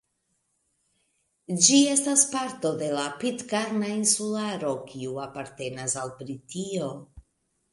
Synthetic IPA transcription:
d͡ʒie̞staspaɾto̞de̞lapitkaɾnainsulaɾo̞kiuapaɾte̞nasalbɾitio̞

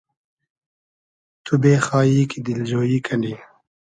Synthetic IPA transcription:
t̪ubeːxaːiːkid̪ild͡ʑoːjiːkʰɐɳɖi

